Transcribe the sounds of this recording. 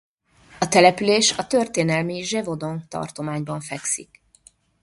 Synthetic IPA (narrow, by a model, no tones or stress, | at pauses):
ɒt̪ɛlɛpyleːʃɒt̪ø̞rt̪eːn̪ɛlmiʒɛvo̞d̪o̞ŋt̪ɒ̰rt̪o̞maːɲbɒɱfɛksik